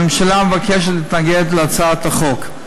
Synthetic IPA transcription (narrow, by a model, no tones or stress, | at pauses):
emʃalamevakeʃetlit̪naɡedt̪leat͡sat̪aχo̞k